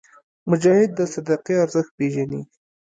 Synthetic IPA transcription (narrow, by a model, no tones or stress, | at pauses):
mʊd͡ʒɑhɪd̪ːəsad̪aqiaɾzəxt̪̚peʒani